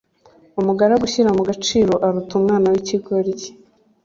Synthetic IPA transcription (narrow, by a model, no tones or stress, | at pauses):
umuɡaɾaɡuçiɾamuɡat͡ʃiːɾo̞ʔaɾutumŋaːnawiciɡoɾije̥